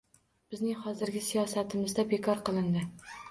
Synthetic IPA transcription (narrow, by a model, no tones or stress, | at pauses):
b̥ɪznɪŋhɒzɪɾɡʲɪsijɒsat̪ʰɪmɪzd̪abekʰɒɾqɨlˠɪnd̪ɪ